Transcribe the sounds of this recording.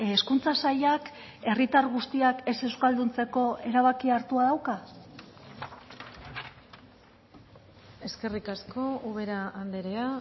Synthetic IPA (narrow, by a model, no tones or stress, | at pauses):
eskunt͡sasajak | e̞rit̪aɾɣust̪iake̞se̞wskald̪unt͡se̞ko̞e̞ɾaβ̞akiaɾt̪uaðawka | e̞ske̞rikasko̞uβe̞ɾaːnd̪eɾea